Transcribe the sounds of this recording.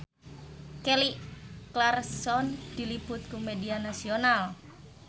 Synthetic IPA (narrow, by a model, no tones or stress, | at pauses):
keliʔklarsɔnd̪̥i̤lib̥ʊt̪̚kumedianasional